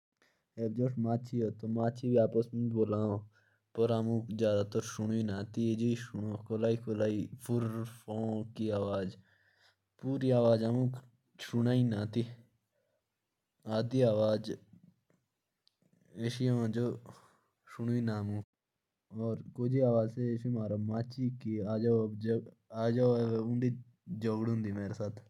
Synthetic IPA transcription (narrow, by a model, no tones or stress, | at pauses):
ebd͡ʒoːʈmaːt͡ʃʰioːt̪omaːt͡ʃʰiːbiaːpəsmuboːlãːõ | pəɾamũːzjaːd̪aːt̪əɾʃʊɳiːnãːt̪ied͡ʒiiʃʊkolaːiːkolaːiːpʰʊɾfõːkiːaːʋaːd͡ʒ | puːɾiːaːʋaːd͡ʒamũː | ʃʊnaːinaːt̪iː | aːd̪iːaːʋaːd͡ʒ | eʃijãːd͡ʒoː | ʃʊɳuːiːnaːmũː | ɔːɾkoːd͡ʒiːaːʋaːd͡ʒseːʃimaːɾamaːt͡ʃiːkiːaːd͡ʒaː | aːd͡ʒaːeʊ̃ɳɖiː | d͡ʒoːɡɽɦʊ̃nd̪iːmeːɾesaːt̪ʰ